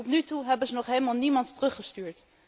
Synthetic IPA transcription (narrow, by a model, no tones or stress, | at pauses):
ɔtnytuɦɛbənzənɔχɦeːlmɑlˠnimɑnttərəχəstyːɹt